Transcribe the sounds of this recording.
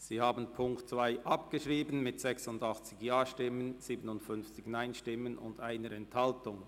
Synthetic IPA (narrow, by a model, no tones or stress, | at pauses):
z̥iːhaːbən̩pʰʊŋktt͡sv̥aɪʔɑpɡ̥əʃʁiːbən̩mɪtz̥ɛksʊndɑχt͡sɪçjaːʃtɪmənz̥iːbənʊntfʏnft͡sɪçnaɪnʃtɪmənʊ̰ndaɪnəɾɛnthɑltʊŋ